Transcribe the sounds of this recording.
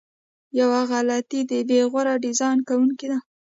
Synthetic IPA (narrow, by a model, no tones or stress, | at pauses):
jawaɣalat̪id̪əbeɣwaɾaɖizɑjnkawuŋkid̪a